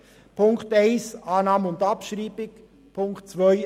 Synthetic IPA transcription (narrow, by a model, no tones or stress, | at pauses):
pʰʊŋktaɪsɑːnɑːməʊndɑpʃɾiːbɪk | pʰʊŋktt͡svœʏ